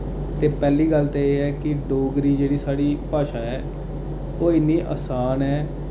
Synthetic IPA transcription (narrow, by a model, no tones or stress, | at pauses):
t̪eːpɛːliːɡəlt̪eeːɦɛːkɪɖoːɡɾiːd͡ʒeːɽiːsaːɽiːpaːʃaːɛː | oːɪnːiːʔa̰ːsaːnɛː